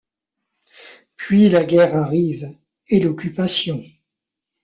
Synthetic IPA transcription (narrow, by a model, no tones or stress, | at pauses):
pɥilaɡʲɛʁaʁiv | elɔkʲypasjɔ̃